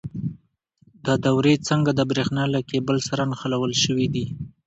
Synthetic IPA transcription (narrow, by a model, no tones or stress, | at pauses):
d̪ɑd̪awɾet͡səŋɡad̪əbɾexnɑlakebəlsaɾanxalawəlʃəwid̪i